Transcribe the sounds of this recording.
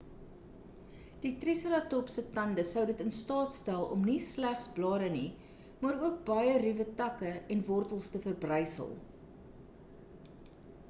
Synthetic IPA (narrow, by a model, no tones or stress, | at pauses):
d̥itrisəɾɑtɔpsətɐndəsəwdətənstɑːtstælˠɔ̰mnislæχsblɑːɾəni | mɑːɾuək̚bɐjərivətɐkəɛnvɔrtəlˠstəfərbrəjsə̰lˠ